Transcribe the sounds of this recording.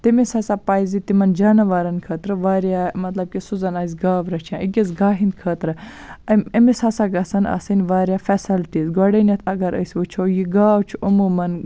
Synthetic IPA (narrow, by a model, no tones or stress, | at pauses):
t̪imisɐsapaːjzit̪imɐnd͡ʒaːnɐʋaːɾɐnkʰəːt̪ɾɨʋaːɾjamɐt̪lɐb̚kisuzɐnaːzʲɡaːʋɾɐt͡ʃʰãːʔiɡizɡaːɦinkʰəːt̪ɾɨ | ɐmɐmisasaɡɐsɐna̰ːsɐnʲʋaːɾʲjaːfɛsɐlʈiːzɡɔɖɐnɐt̪ʰɐɡɐɾə̰sʲʋut͡ʃʰojiɡaːwt͡ʃʰuʔɐmuːmɐn